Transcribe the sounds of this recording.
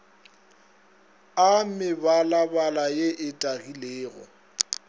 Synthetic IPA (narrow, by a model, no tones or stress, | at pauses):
amɪbalabalajeʔɪtʼaɣileːɣɔ̰